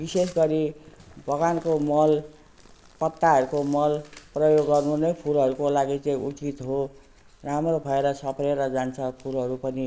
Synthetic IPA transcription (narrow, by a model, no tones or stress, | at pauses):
bises̬ɡʌɾibʱʌɡankomʌl | pʌt̪ːaɦʌɾukomʌlprʌjoɡːʌrnunʌjpʰulʌɾukolaɡit͡sãĩʔut͡sit̪ɦo | ramrobʱʌeɾʌsʌpreɾʌd͡zant͡sʰʌpʰulɦʌɾupʌni